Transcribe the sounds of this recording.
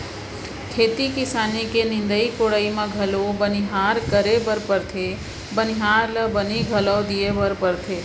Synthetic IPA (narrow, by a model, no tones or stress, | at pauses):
kʰeːt̪ikɪsaːnikenɪ̃nd̪əikoɽəimãɡʱəlobənɪɦaːɾkəɾebəɾpəɾt̪ʰe | bənɪɦaːɾləbəniɡʱələːd̪ijebəɾpəɾt̪ʰeː